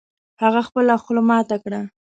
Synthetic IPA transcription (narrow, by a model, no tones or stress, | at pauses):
haɣaxpəlaxʊlʊmɑt̪akɽa